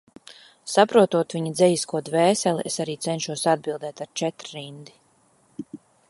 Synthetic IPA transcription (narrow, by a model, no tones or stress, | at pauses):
sapɾuɔt̪uɔt̪viɲad̪zɛjiskuɔd̪vɛːsɛliʔesaɾiːt̪sɛnʃuɔsad̪̚bilˠd̪ɛːt̪aɾt͡ʃɛt̪ɾɾind̪i